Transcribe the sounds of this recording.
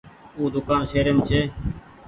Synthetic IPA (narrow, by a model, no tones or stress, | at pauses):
uːd̪ʊkaːnseːɾeːmt͡ʃʰeː